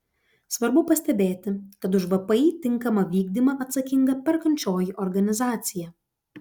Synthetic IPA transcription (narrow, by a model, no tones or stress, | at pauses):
sʋɐɾbʊpɐsʲt̪ʲɛbʲeːt̪ʲɪkɐt̪̬ʊʒʋɐpɐɪt̪ʲɪŋkɐmɐʋʲiːɡd̪ʲimɐʔɐt̪sɐkʲɪŋɡɐpʲɛɾkɐnʲt͡ʃʲoːjiʔɔɾɡɐnʲɪzɑːt̪sʲɪjɛ